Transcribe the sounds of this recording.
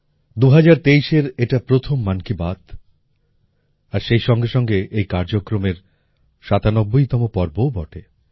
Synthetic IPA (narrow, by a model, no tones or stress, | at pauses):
d̪uɦad͡ʑaɾt̪eiʃeɾeʈapɾot̪ʰomːankibat̪ | aɾʃejʃɔŋɡeʃɔŋɡeʔejkaɾd͡ʑokɾomeɾ | ʃat̪anobːojt̪ɔmopɔɾbowbɔʈe